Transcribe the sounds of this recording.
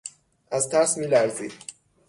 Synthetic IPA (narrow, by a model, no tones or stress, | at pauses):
æzt̪ʰæɾsmilæɾzid̪̥